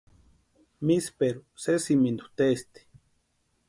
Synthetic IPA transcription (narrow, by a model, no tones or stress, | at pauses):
mispeɾusesimind̪ut̪est̪i̥